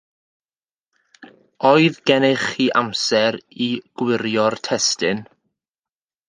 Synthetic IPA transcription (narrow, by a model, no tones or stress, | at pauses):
ɔɨðɡɛnɪχiʔamsɛɾiɡ̥wɪɾjɔrtʰɛstɪn